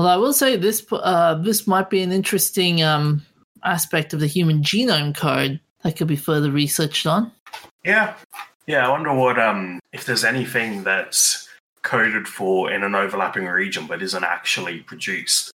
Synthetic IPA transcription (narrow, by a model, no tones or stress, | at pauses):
wɛlˠaɪwɪlˠseɪðɪsʌðɪsmaɪt̚b̥iɨ̃nɪ̃nt͡ʃɹ̥ɨstɪ̃ŋʌ̃m | ʔæspɛk̚tʌvðɨhjʉmɨ̃nd͡ʒinõʊ̃mkʰoʊd̪̚ | ðɨt̚kʰɨd̚bifɜ˞ðə˞ɹisɜ˞t͡ʃtn̩jæ | jæaɪwʌ̃ndə˞wʌɾʌ̃mɨfðə˞zɛniθɪ̃ŋðɨts | kʰoʊɾɨd̥fə˞ɪ̰̃nə̃noʊvə˞læ̰pɪ̃ŋɹid͡ʒɨ̃nbʌɾɪzə̃ntæ̰k̚t͡ʃl̩ˠipʰɹ̥ɨdʉˑst